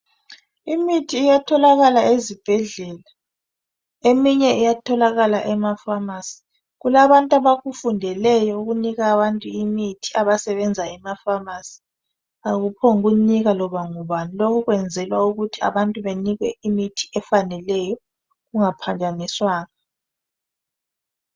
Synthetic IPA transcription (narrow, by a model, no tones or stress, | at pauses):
imitʰiːjatʰɔlaɣalaezib̥ʱɛɮɛːla | emiɲɛʔijatʰɔlaɣalaʔɛmafamasi̥ | ɣulaβantʼaβaɣufundʱɛlɛjɔuɣuniɣaːβantʼuimitʰi̥aβasɛβɛnd͡zʱaɛmafamasi̥ | aɣupʰɔŋuɣuniɣalɔβaŋuβanilɔkʰɔɣwɛnd͡zʱɛlwauɣutʰia̰βantʼuβeniɣwɛimitʰi̥ɛfanɛlɛjɔ | ɣuŋapʰand͡ʒʱaniswaːŋa